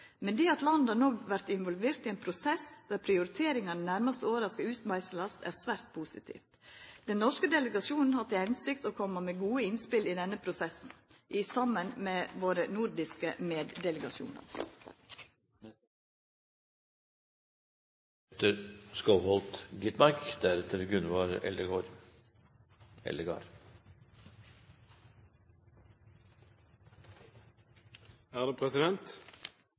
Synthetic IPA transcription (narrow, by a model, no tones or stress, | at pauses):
mɛnd̪iːɑt̪lɑnd̪ɑːnɔɡʋæɾt̪ɪnʋɔlʋeːɾt̪iːeːnpʰɾʊsɛsd̪æːɾpʰɾɪʊɾɪt̪ʰeːɾɪŋɑnənæɾmɑst̪əoːʋəɾɑskəʉːt̪mæɪsəlɑst̪æ̰ːɾsʋæːɾt̪̚pʰuːsɪ̰t̪ʰḭːft̪d̪̥ɛnnɔʂkəd̪ɛləɡɑsuːnn̩hɑt̪ɪhɛnsɪk̚t̪oːkʰɔməmeːɡuːəɪnspɪliːd̪ɛnəpʰɾʊsɛsn̩ʔɪsɑmənmeːʋoːɾənuːɾd̪ɪskəmeːd̪d̪ɛləɡɑʃṵːnɑ̰ɾ | t̪əɾskəʊhɔlt̪ɡɪt̪mɑɾkd̪̥æɾɛt̪ʰəɾɡʉnʋɑːɾɛ̰ld̪əɡoːɾ | ɛ̰ləɡɑ̰ːɾ | æːʁd̪eːpʰʁɛsɪd̪ɛnt̪